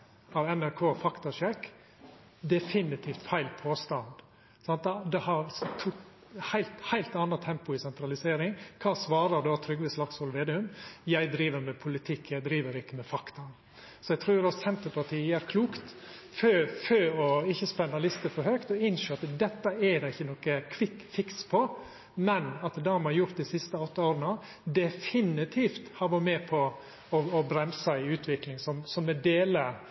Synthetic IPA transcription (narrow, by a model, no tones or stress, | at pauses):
ɑʋɛnæɾkʰoːfɑkt̪ɑʂɛkː | d̪ɛfɪnɪt̪ʰiːft̪fæɪlpʰoːst̪ɑnd̪ | sɑnt̪d̪ɛd̪ɛhɑɾst̪ʰuː | hæɪlt̪hæɪlt̪ɑnːət̪ʰɛmpʊɪsɛnt̪ɾɑlɪseːɾɪŋkʰɑːsʋɑːɾəd̪oːt̪ʰɾʏɡʋɪslɑkshɔlʋeːd̪ɪʉmjæɪd̪ɾiːʋəɾmɛpʰʊlɪt̪ʰɪkʰːjæɪd̪ɾiːʋəɾɪkːəmɛfɑkt̪ɑn | sɔɛɪt̪ʰɾuːɾɑssɛnt̪əɾpɑʈʰiːəjæːɾkʰluːkt̪føføːɔɪçːəspɛnːəlɪst̪əfɔɾhøkt̪ɔɪnʃeːɑt̪d̪ɛt̪ːəɛd̪ɛɪçːənɔkəkʰʋɪkfɪkspʰɔ | mɛnɑt̪d̪ɑmɛhɑɾjʊɾt̪̚d̪ɪsɪst̪əɔt̪ːəoːɾənə | d̪ɛfɪnɪt̪ʰiːft̪hɑɾʋɔɾmɛːpʰɔ | ɔɔbɾɛmsɑɪʉːt̪ʰʋɪklɪŋsɔmsɔmːɛd̪eːlə